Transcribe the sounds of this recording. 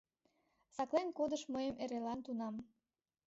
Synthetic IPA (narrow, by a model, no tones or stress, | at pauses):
sɑklenkod̪əʃməjəmʔeɾelɑnt̪unɑm